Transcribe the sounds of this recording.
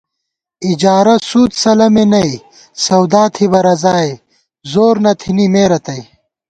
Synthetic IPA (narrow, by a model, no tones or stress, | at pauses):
id͡ʑaːɾɐsuːt̪sɐlɐmenɐi | sɐwd̪aːt̪ʰibɐɾɐzaːe | zoːɾnɐt̪ʰinimeːɾɐt̪ɐi